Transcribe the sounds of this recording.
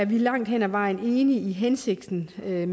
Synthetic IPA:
æɐʋilɑ̈ŋ̰d̥hen̰æʋɑ̈ɪ̰n̩e̝ːniiɦense̝ɡ̥̚d̥n̩øm

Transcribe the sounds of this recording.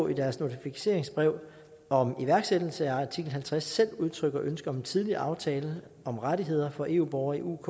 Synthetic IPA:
id̥æɐsno̝t͡sʰifise̝̰ɐ̰eŋsb̥ʁɛʊ̰ | ɒ̽miʋæɐɡ̥sed̥l̩səæɑt͡sʰiɡ̥l̩ɦælt͡sʰʁasːel̰uð̞ˠt͡sʰʁœɡ̥ɒ̽ʔønsɡ̥ɐɒ̽me̝nt͡sʰið̞ˠliɐ̰ʔɑ̈ʊt͡sʰɛːlə | ɒ̽mʁaɾiɦe̝ð̞̰ˠɐfɒ̽ʔe̝̰ːṵːb̥ɒʊɐiʔṵkʰ

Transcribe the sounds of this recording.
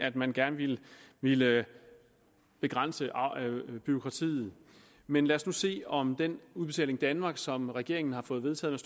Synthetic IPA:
æd̥mænɡ̥æɐnəʋiləʋilə | b̥e̝ɡ̥ʁɑn̰səʔb̥yo̝kʰʁɑ̈t͡sʰḭːð̩ˠ | menlæɐsnuse̝̰ːɒ̽md̥enuðˠb̥e̝t͡sʰɛ̰ːleŋd̥ænmɑ̈ːɡ̥sɒ̽mʁaɡ̥e̝ɐ̰e̝ŋn̩hɑ̈fɔ̽ːð̞̩ˠe̝ð̞ˠt͡sʰɛ̰ːð̩mes

